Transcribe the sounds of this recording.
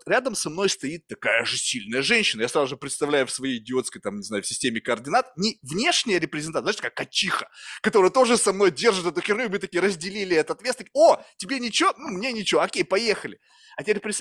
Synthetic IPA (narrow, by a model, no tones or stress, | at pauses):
t̪ɾʲad̪əmsɐmno̞jst̪ɐit̪ːɐkajəʐɨsʲilʲnəjəʐɛnʲɕːɪnəjasɾazʊʐɨpɾʲɪt̪st̪ɐvlʲæjʊfsvɐjejɪdʲɪo̞t̪skəjt̪amnʲɪzajʊfsʲɪsʲtʲemʲɪkəərdʲɪnat̪nʲɪvnʲe̞ʂnʲɪjəɾʲɪpɾʲɪzʲɪnt̪azaʂt̪ʲkakːɐt͡ɕːixə̥kɐt̪o̞ɾɨjət̪o̞ʐɨsɐmno̞jdʲe̞rʐɨt̪ɛt̪ʊt͡ɕʲɪrnʲumɨt̪ɐkʲiɾəzʲdʲɪlʲilʲɪɛt̪əɐt̪vʲesəkʲotʲɪbʲenʲɪt͡ɕɪvonumnʲenʲɪt͡ɕɪvoɐkʲejpɐjexəlʲɪ | ɐt̪ʲɪbʲeɾʲɪpɾʲɪs